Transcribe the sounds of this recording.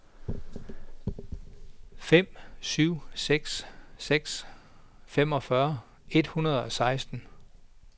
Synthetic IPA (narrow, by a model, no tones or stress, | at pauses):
fem̰syʊ̰seɡ̥sseɡ̥s | fem̰ɒ̽fɶɐ | e̝d̥hunɐð̞̩ˠɒ̽sɑ̈ɪsd̥n̩